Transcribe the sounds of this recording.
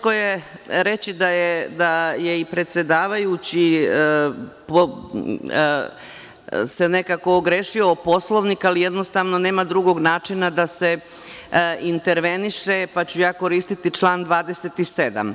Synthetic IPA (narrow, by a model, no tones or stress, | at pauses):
kojeɾe̞t͡ɕid̪ajed̪aje̞ipɾe̞t̪sʲe̞d̪aːʋajut͡ɕi | po | se̞ne̞kakoːɡɾeːʃioːpo̞slˠo̞ʋnikalijed̪nost̪aʋno̞ne̞ːmad̪ɾuɡo̞ɡnaːt͡ʂinad̪ase̞ | int̪e̞ɾʋe̞niʃepat͡ɕujaːko̞ɾiːst̪it̪it͡ʂlˠaːnd̪ʋaːd̪e̞set̪ise̞d̪a̰m